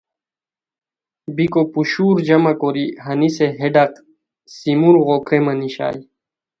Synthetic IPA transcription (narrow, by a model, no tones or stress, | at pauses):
bikopuɕuːɾd͡ʑɐmɐkoɾiɦɐniseɦeɖɐq | simuɾɣokʰɾemɐniɕa̰ːj